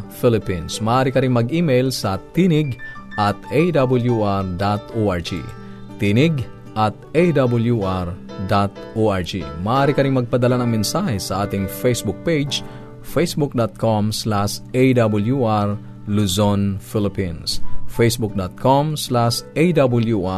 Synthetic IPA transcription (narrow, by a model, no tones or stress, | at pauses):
filɪpĩnsmɐʔaːɾikɐɾiŋmɐɡimejlsɐt̪inɪɡʔɐt̪ejd̪abʊljuʔaɹd̪at̪oʔaɹd͡ʒḭ | t̪inɪɡ | ʔɐt̪̚ejd̪abʊljuʔaɹ | d̪at̪ʔoʔaɹd͡ʒḭmɐʔaːɾɪkɐɾɪŋmɐɡ̚pɐd̪ɐlanɐŋmɛnsahɛsɐʔaːt̪ɪŋfejsbʊk̚pejd͡ʒ | fejsbuk̚d̪at̪̚komslasʔejd̪abʊljuʔaɹ | lusonfɪlɪpinsfejsbuk̚d̪at̪̚kʰomslasʔejd̪abʊljuʔa